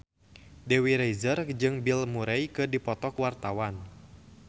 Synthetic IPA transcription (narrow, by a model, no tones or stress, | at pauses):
dewiɾejzərd͡ʒɨŋbilmuɾɛjkɨdipɔt̪ɔkwart̪awan